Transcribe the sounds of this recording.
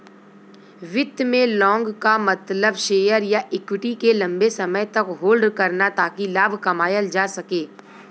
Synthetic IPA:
ʋɪt̪mẽlɔ̃ːŋɡkamɐt̪ləbʃeːjəɾjaʔɪːkwɪʈikelɐ̃mbesɐməjt̪ɐkɦoːlɖkɐɾnat̪aːkilaːbʱkɐmaːjəld͡ʒaːsɐkeː

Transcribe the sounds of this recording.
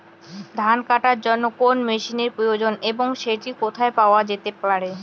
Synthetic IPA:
d̪ʱankaʈaɾd͡ʑonːokonmeʃineɾpɾojod͡ʑoneboŋʃeʈikot̪ʰaepaoad͡ʑet̪epaɾe

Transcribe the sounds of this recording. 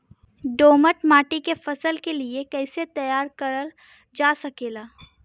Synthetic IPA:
ɖoːməʈmaːʈikefɐsəlkeliekɛːset̪ɐjaːɾkəɾəl | d͡ʒaːsɐkeːlaː

